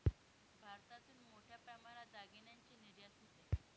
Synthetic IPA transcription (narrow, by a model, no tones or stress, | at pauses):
bʱaɾt̪at̪uːnmoʈʰjapɾəmaɾad͡zaɡenjaɲt͡ɕiniɾjasot̪e